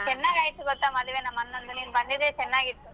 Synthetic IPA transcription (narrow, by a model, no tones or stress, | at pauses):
t͡ʃɛnːaːɡaːjit̪ːuɡɔt̪ːaːmɐd̪ɐʋeːnɐmːɐnːond̪uniːnbɐnd̪id̪et͡ʃɛnːaːɡit̪ːu